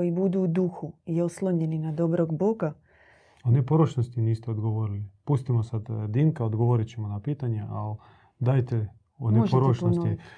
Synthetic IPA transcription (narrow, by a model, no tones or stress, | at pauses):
ojibud̪uːd̪uxujeoslˠoɲe̞ninad̪o̞bɾoɡbo̞ɡa | onepoɾoʃnost̪iniːst̪eod̪ɡoʋoɾilipust̪imosad̪d̪iŋkaod̪ɡoʋoɾit͡ɕemonapiːt̪aɲeʔal | d̪ajt̪e | omneʒpoɾoʃnont̪i